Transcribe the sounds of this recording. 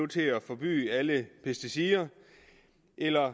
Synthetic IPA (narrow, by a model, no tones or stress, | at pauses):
ut͡sʰe̝æfɒ̽b̥y̰ːæləpʰesd̥isiːɐ | ʔelɐ